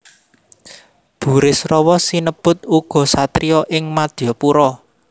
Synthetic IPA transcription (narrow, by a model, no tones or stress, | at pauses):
b̥ṳɾɪsrɔwɔsinəb̥ʊt̪̚uɡ̥ɔ̤sat̪ɾijɔʔɪŋmad̪̥jɔpuɾɔ